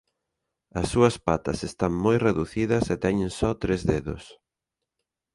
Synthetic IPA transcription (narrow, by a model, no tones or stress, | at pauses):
ɐsːuɐspat̪ɐsest̪aŋmojreðuθiðɐsɛt̪ɛɲẽŋsɔt̪ɾezðeðʊ̰s